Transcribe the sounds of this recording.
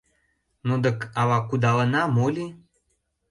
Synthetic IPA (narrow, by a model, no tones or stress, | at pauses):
nud̪ə̆kɑβɑkud̪ɑlə̆nɑmolʲi